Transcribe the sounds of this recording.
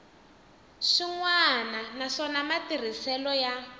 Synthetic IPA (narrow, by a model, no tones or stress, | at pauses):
ʃiŋwananaʂɔnamatir̤isɛlɔja